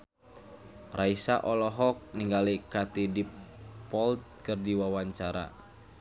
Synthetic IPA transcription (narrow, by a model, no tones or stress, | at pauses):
raisaʔɔlɔɦɔk̚niŋɡalikat̪idipɔlt̪̚kərdiwawaɲt͡ʃaɾa̰